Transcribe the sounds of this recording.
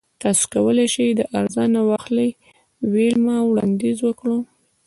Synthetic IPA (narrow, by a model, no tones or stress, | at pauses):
t̪ɑso̥kawəleʃid̪əʔaɾzɑnawaxləj | welmawɽɑ̰nd̪izwəkɽu